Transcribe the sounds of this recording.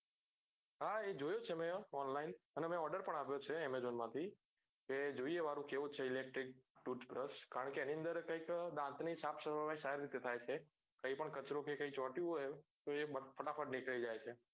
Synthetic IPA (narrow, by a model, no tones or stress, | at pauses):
ɦaed͡ʒojot͡ʃʰemẽɔnlainənemẽɔɾɖəɾpəɳaʋjot͡ʃʰeemezonmãt̪ʰi | ked͡ʒoieʋaɾũkeũt͡ʃʰeilek̚ʈɾik̚ʈuʈpɾəskaɾəɳkeeniənd̪əɾkə̃ikd̪ãnt̪nisapʰsəɾʋəʋaisaiɾɾit̪ːet̪ʰajt͡ʃʰe | kə̃ɦĩpəɳkət͡ʃɾõkekə̃ĩt͡ʃɔʈjũɦojet̪oeəfʰəʈafʰəʈnikɭeid͡ʒajt͡ʃʰe